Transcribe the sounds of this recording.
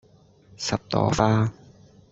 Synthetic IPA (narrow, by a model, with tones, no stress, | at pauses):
sɐ˨˩p̚t̪ɔ̰ː˨˥faː˥